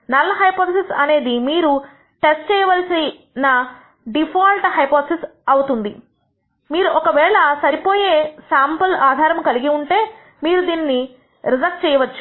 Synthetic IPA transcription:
nɐlːɐɦɐjpoːt̪ʰsisɐne̞ːd̪imiːɾu | ʈesʈt͡ʃɛːjɐʋɐlɐsi | nɐ | ɖipʰaːlʈɦɐjpoːt̪ʰsisɐwut̪und̪i | miːɾuʔɔkɐʋɛːɭɐsɐɾipo̞ːjeːsaːmpɐlaːd̪ʱaːɾɐmkɐliɡiuɳʈe̞ː | miːɾud̪iːnːi | ɾizɐk̚st͡ʃɛːjɐʋɐt͡ʃːu̥

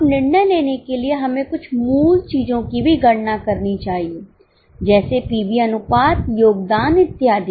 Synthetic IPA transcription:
pnɪɽneːleːneːkeːlɪeːɦəmẽːkʊt͡ʃʰmuːlt͡ʃiːd͡ʒõːkiːbʱiːɡəɽnaːkəɾniːt͡ʃaːɦieː | d͡ʒɛːseːpiːbiːənʊpaːt̪joːɡd̪aːnɪt̪ːɪjaːd̪e

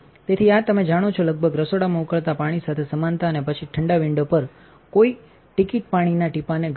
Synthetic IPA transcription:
t̪et̪ʰiat̪əmed͡ʒaɽ̃ot͡ʃʰoləɡ̚bʱəɡɾəsoɽamãukəɭt̪apaɽ̃isat̪ʰesəmant̪aənepət͡ʃʰiʈʰəɳɖaʋɪɳɖopəɾ | koi | ʈikiʈ̚paɽ̃inaʈipaneɡ

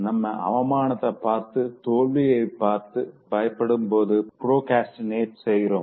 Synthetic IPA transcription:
nɐmːɐʔɐ̰ʋɐmaːnɐt̪ːɐpaːɾt̪ɯt̪oːɭʋijeɪpːaːɾt̪ɯbɐjɐpːɐɽɯmpoːðɯpɾoːkaːsʈneːʈsɛjːɪɾoːm

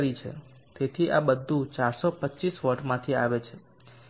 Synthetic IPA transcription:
ɾit͡ʃʰḛ | t̪et̪ʰiʔabəd̪ʱːũt͡ʃaɾsopətːt͡ʃisʋəʈmãt̪ʰiaʋet͡ʃʰe

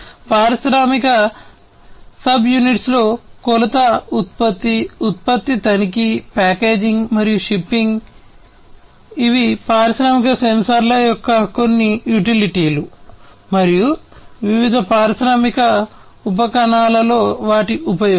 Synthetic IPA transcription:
paːɾɐsɾaːmikɐ | sɐbjuniʈslo̞ːkɔlɐt̪ɐut̪̚pɐt̪ːiut̪̚pɐt̪ːit̪ɐnikipaːke̞ːd͡ʒiŋɡmɐɾijuʃipːiŋɡ | iʋipaːɾɐsɾaːmikɐsensɐɾlɐjɔkːɐko̞nːijuʈiliʈiːlu | mɐɾijuʋiʋid̪ʱɐpaːɾɐsɾaːmikɐ | up̬ɐkɐɳaːlɐlo̞ːʋaːʈiʔupɐjo

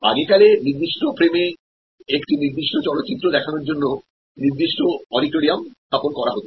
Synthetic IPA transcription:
a̰ɡekaleniɾd̪iʃʈopɾeme | ekʈiniɾd̪iʃʈot͡ɕɔlot̪ːɕit̪ːɾod̪ɛkʰanoɾd͡ʑonːo | niɾd̪iʃʈoɔɖiʈoɾiamst̪ʰaponkɔɾaɦot̪o

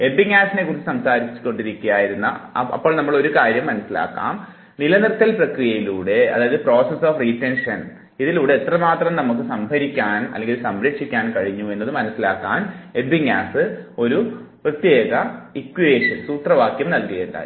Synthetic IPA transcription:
e̞biŋaːsine̞kːuːrit͡ɕːɨsɐmsaːɾit͡ɕːɨ̥kːo̞ɳɖiɾikʲːujaːjiɾunːɐ̰ɐ̰pːo̞ːɭnɐmːɐɭo̞ɾukaːɾjɐmːɐnɐsːila̰ːkːa̰ːm | nilɐnirt̪ːɐlprɐkrijɐjiluːɽe̞ɐ̰ðaːjɐðɨpro̞ːsesoːfritːenʂɐn | iðiluːɽe̞et̪ːrɐmaːt̪rɐmnɐmukːɨsɐmbʱɐɾikʲːaːnɐ̰lːeŋɡilsɐmɾɐkʂikʲːaːnkɐɻiɲːue̞nːɐðɨmɐnɐsːilaːkːaːnebbiŋa̰ːsɨo̞ɾu | prɐt̪jeːɣɐikːweːʂɐnsuːt̪rɐʋaːkjɐmnɐlkɨɣɐɳɖa̰ː

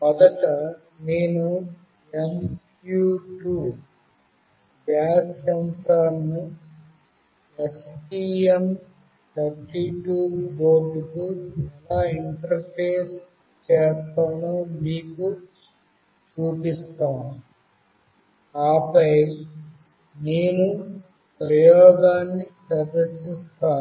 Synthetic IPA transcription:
mɐd̪ɐtɐ | niːnu | em | juʈuː | baːst͡ʃɐnt̪aːnːu | esʈiem | t̪ʰɐɾʈiʈuboːʈikɨt̪aiɳʈɐɾpʰeːs | t͡ʃeːst̪aːnumiːku | t͡ʃuːpist̪aːnu | aːpɐj | neːnu | pɾɐjɔːɡaːnːit͡ʃɐɾd̪ɐsist̪aː

